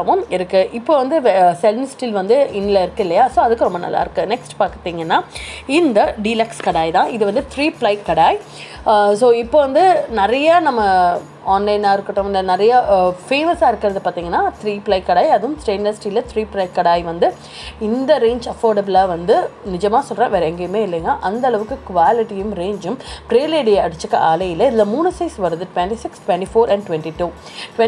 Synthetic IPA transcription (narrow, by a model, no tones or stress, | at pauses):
ɐʋʊ̃mɪɾɯkːɯʔɪpːoːʋɐnd̪ɯʋsɛlnɪsʈiːlʋɐnd̪ɯɪnːɪlɐɪɾɯkːɐɪlːɐjaːsoːɐðɯkːɯɾɔmbɐnɐ̰lːa̰ːɪɾɯkːɯnɛksʈpaːkt̪ːiːŋɡɐnːaːɪnd̪ɐɖiːlɐkskɐɽaːjt̪ãːʔɪðɯʋɐnd̪ɯt̪ʰɾiːplɐɪkːɐɽaːj | soːɪpːoːʋɐnd̪ɯnɪɾɐjanɐmːɐ | aːnlɐɪnaːɪɾɯkːɐʈːõmɪlɐnɪɾɐjɐfeːmɐsaːɪɾɯkːɪɾɐðɯpaːɾt̪iːŋɡɐnːaːt̪ɾiːpɪlɐɪkːɐɽaːjɐðɯmsɾeːnɖɐsʈilɐt̪ʰɾiːplɐɪkːɐɽaːjʋɐnd̪ɯ | ɪnd̪ɐɾeːnd͡ʒɐfoːɾɖɐbɪlaːʋɐnd̪ɯnɪd͡ʒɐmaːsɔlrɐ̰̃ːʋɛɾɐɛŋɡɐjɯmeːɪlːɐŋɡɐʔɐnd̪ɐɐɭɐʋɯkːɯkʋaːlɪʈijɯmɾeːɲd͡ʒɯmpɾeːleːɖijɐɐɽɯt͡ʃːɯkːɐ̰ʔaːlɐjɪlɐɪðɪlɐmuːnɯsɐɪsʋɐɾɯðɯʈʊʋɛɳʈisɪksʈʋɛɳʈifoːɾɐɳɖʈʋɛɳʈiʈuː | ʈʋɛ